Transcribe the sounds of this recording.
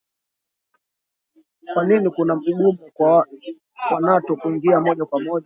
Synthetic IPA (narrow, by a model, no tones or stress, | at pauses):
kwaninikunam̩uɠumu | wanatɔkuiŋɡiamɔʄakwamɔʄa